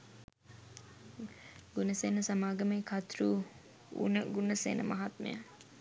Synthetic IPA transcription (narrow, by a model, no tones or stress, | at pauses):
ɡunəsenəsɐmaːɡɐmeːkʰɐt̪ɾuː | ṵnəɡunəsḛnʔə̰mɐɦɐt̪mḛjə